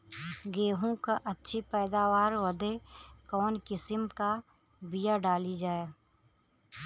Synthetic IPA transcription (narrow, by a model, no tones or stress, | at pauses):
ɡeːɦũkaʔɐtːʃʰipɛːd̪aːʋaːɾwəd̪ekɔːnkɪsɪmka | bijaɖaːlid͡ʒaːeː